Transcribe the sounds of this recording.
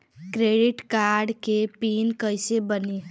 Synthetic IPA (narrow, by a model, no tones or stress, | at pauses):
kɾeɖiʈkaɾɖkepinkəjsebəni